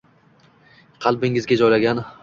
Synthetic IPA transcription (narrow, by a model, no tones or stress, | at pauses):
qʰɑlˠbɪŋɪzɡʲad͡ʒɒjlaɡʲan